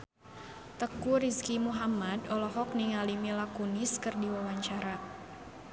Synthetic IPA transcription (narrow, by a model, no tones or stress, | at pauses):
t̪əkuɾiskimuɦamadɔlɔɦɔk̚niŋalimilakunɪskɨrdiwawaɲt͡ʃaɾa